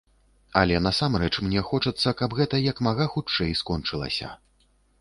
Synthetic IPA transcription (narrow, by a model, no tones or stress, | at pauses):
ɐlʲɛnɐsamrɛt͡ʂmnʲɛxɔt͡ʂɐt̪sːɐkabɣɛt̪ɐjɐkmaɣaxut͡ʂɛjskɔnt͡ʂɨlˠɐ̰sʲɐ̰